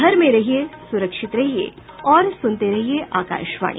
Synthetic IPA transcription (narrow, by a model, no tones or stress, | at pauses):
əɾmẽɾɐɦijesuɾəkʂɪt̪ɾɐɦijḛ | ɔːɾsʊnt̪eɾɐɦieʔaːka̰ːʃʋa̰ːɳ̃ḭ